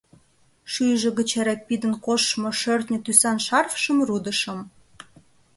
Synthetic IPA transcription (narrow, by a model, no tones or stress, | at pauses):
ʃyjʒə̆ɣət͡ɕæɾɑpid̪ənkoʃmoʃørt̪nʲə̆t̪ysɑnʃɑrfʃəmrud̪əʃə̆m